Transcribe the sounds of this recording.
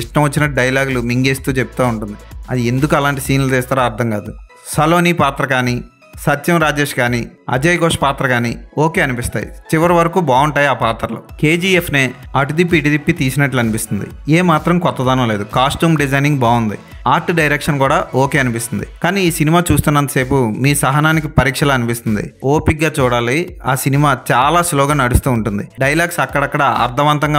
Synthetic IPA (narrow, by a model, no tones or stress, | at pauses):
iʂʈɐmʋɐt͡ʃːinɐɖɐjlaːɡulumiŋɡeːst̪uːt͡ʃep̚ːut̪aːuɳʈund̪iɐd̪iend̪ukuɐlaːɳʈisiːnlut̪ɛːst̪aːɾaːɾt̪ʰɐmkaːd̪u | sɐloːniːpaːt̪ɾɐkaːni | sɐt͡ʃɐmɾaːd͡ʒe̞ːʂkaːniɐ̰d͡ʒɐjɡoːʂɐpaːt̪ɾɐkaːnḭːoːkeːɐnipist̪a̰ːjḭt͡ʃiʋɐɾɐʋɐɾɐkuːbaːuɳʈaːjaːpaːt̪ɾɐlo̰ke̞ːd͡ʒiːefʰneːɐʈ̬ud̪ip̬ːiːʈ̬id̪ipːit̪iːsinɐʈluɐnipist̪und̪ḭeːmaːt̪ɾɐmkɔt̪ːɐd̪aːnɐmle̞ːd̪ukaːsʈuːmɖid͡ʒɐjniŋɡbaːund̪i | aːɾʈɖɐjɾekʂɐnkuːɽaːoːke̞ːɐnipist̪und̪ikaːniːiːsinimaːt͡ʃuːst̪unːɐnt̪ɐ̥se̞ːpumiːsɐɦɐnaːnik̬ipɐɾiːkʂɐlaːɐnipist̪und̪ḭoːpikːaːt͡ʃuːɽaːliaːsinimaːt͡ʃaːlaːsloːɡaːnɐɽust̪uːɳʈund̪iɖɐjlaːɡsɐkːɐɽɐkːɐɽɐɐ̰ɾt̪ʰɐʋɐnt̪ɐŋɡa